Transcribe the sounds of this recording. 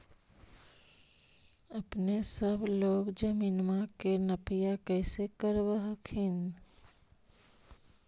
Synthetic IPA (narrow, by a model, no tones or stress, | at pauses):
əpnesəbʱloːɡd͡ʒəmiːnmakenəpijakəɪsekəɾbəɦəkʰin